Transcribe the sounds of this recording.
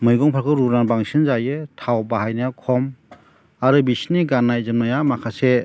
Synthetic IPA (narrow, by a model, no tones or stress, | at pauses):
mɯjɡɔŋpʰaɾkʰɯɾuɾnanbaŋsɯnzajɯtʰawbaɦajnajakʰɔm | aɾɯbisniɡanːajzɯmnajamakʰase